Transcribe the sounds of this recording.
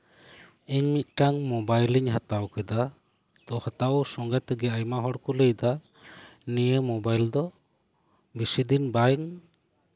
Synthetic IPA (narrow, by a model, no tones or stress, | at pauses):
iɲmit̪̚ʈaŋmɔbajliɲɦat̪awkɛd̪a | t̪ɔhat̪awsɔŋɡɛt̪ɡɛajmaɦɔɽkɔləjd̪a | nijemɔbajld̪ɔ | bisid̪inbajŋ